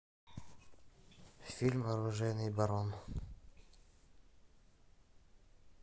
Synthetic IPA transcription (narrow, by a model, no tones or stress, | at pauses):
fʲilʲmɐɾʊʐɛjnɨjbɐɾon